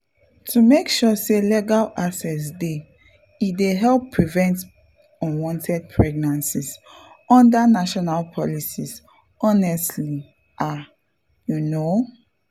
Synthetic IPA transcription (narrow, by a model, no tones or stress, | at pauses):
tʰumekʃɔseleɡalasɛs̬de | ideɦɛlpːɹivɛ̃nt | ɔ̃nwɔ̃ntʰɛd̚pʰɹɛɡ̚nãnsis | ɔ̃ndanaʃɔnalpʰɔlisis | ɔnɛstli | ʔa | juno